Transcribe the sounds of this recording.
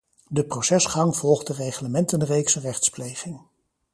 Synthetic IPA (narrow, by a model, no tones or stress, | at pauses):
dəprosɛsχɑŋvɔlˠχtdərejχləmɛntənrejksərɛχtsplejχɪŋ